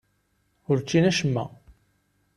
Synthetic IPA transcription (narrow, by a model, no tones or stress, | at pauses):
ʊɾt͡ʃːinæʃəmːæ̰